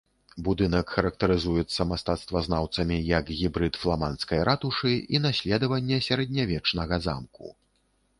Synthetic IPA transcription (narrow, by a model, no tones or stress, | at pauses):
bud̪ɨnɐkxɐɾɐk̚t̪ɐɾɨzujɛt̪sːɐmast̪at̪st̪vɐznawt̪sɐmʲijɐkɣʲibɾɨt̪flˠamanskɐjɾʔat̪uʂɨin̪asʲlʲɛd̪ɐvɐnʲːɛsʲɐɾɐd̪̚ʲnʲavʲɛt͡ʂnɐɣɐza̰mkṵ